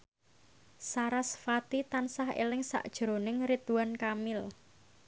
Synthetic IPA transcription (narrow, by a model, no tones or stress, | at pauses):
saɾasfat̪it̪ansaɦḛlɪŋsa̰ʔd̥ʒ̥ɾonɪŋrit̪uwankamɪl